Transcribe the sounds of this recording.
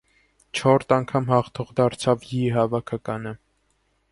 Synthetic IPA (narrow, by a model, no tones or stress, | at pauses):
t͡ʃʰɔɾt̪ɑŋkʰɑmhɑχt̪ʰɔʁd̪ɑɾt͡sʰɑvjiɦɑvɑkʰɑkɑnə